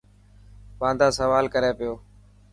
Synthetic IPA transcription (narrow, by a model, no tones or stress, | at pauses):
pãːnd̪aːsəʋaːlkəɾeːpɪjoː